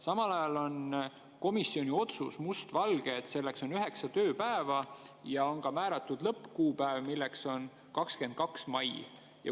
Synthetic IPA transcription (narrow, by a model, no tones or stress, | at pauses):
sɑmɑlɑjɑlo̞n | ko̞misio̞nʲio̞t̪susmust̪vɑlɡ̥eːt̪ːse̞lːe̞kso̞nyɦe̞ksɑt̪ø̞ːpæevɑjɑo̞nkɑmæːɾɑt̪ːˑud̪lɤpːˑkuːpæevmilːekso̞n | kɑkske̞nd̪̥̚kɑksmɑj | jɑ̰